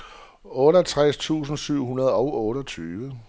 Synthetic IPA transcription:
ɔ̽ːɾəɦælt͡sʰʁast͡sʰṵːs̬n̩syʊ̰ɦunɐð̞ˠɒʊʔɔ̽ːɾɒt͡sʰyːʋə

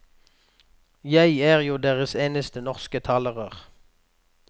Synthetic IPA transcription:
jæɪæːʁjuːd̪eːʁəseːnəst̪ənɔʁskət̪ʰɑːləʁəʁ

